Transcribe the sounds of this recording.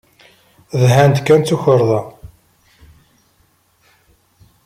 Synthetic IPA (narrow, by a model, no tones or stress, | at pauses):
ðɦænd̪t̪kːænt͡s̪ːuçəɾˤðˤɑ